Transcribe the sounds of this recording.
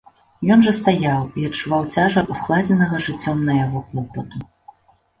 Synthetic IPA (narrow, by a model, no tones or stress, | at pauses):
jɔnʐɐst̪ajawiɐtt͡ʂːuvawt͡sʲaʐɐusklˠad͡zʲɛnɐɣɐʐɨt͡sʲːɔmnɐjaɣɔxlˠɔpɐt̪u